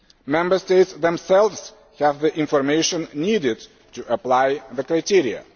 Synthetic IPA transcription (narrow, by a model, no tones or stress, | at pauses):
mɛ̃mbə˞st̪ejtsðɛ̃msɛlˠvz̥ | hævðiʔĩnfɔɾmejʃɔ̃nːidɪd̪ | t̪uʔəplajðəkɾajt̪iɾia̰